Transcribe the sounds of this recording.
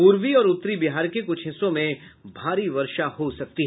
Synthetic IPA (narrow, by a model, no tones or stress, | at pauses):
puːɾʋiɔːɾʊt̪ːɾibiɦaːɾkekʊt͡ʃʰɦɪsõmẽbʱaːɾiʋɐɾʃahosɐk̚t̪iɦɛ